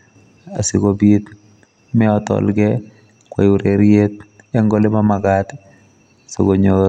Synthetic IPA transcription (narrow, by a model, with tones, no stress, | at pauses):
a̰˨sɪ˨ɡo˨bit̪ | mɛ˦ɔt̪ɔ̰˨lɡɛ | kwa̰˨ju˨ɾeɾjet̪ɛ˦ŋɡɔ˦lɪ˦mamaɡat̪ | so̰˨ɡo˨ɲo